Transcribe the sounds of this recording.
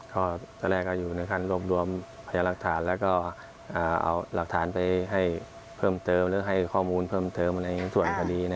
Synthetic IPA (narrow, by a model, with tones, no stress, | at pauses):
kɔː˧˥˩t̪ɛː˧˩lɛː˧˩kːɔː˧˥˩juː˨˩nɯ˧˦kʰa˧˥˩nɾu˥˩əp̚ɾu˧əm | pʰa˧jaː˧la˧˩k̚t̪ʰaː˩˦nlɛː˦˥wkɔː˥˩ | ʔaː˨˩ʔa̰˧˩wla˨˩k̚t̪ʰaː˩˦npa˧jɦa˥˩j | pʰɤː˥˩mt̪ɤː˧mlɯː˨˦˥ɦa˥˩jkʰɔː˥˩muː˧npʰɤː˥˩mt̪ɤː˧mna˧jsu˨˩ənkʰa˧diː˧na˧